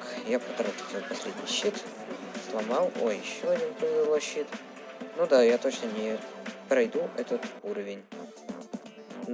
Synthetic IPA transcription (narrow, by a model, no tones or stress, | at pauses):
kjapɐt̪ɐɾatɪ̥pɐsʲlʲedʲnʲɪjɕːit̪ | slˠɐmɑlˠo̰jɪɕːoɐdʲinpəvʲɪzʲɪlˠojɕːit̪ | nod̪ajat̪ot͡ɕnənʲɪpɾɐjd̪uʔɛt̪ət̪uɾəvʲɪnʲ